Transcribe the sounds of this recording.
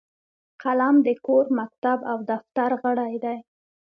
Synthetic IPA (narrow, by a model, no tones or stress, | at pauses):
qalamd̪əkoɾmak̚t̪abawd̪aft̪aɾɣəɽajd̪aj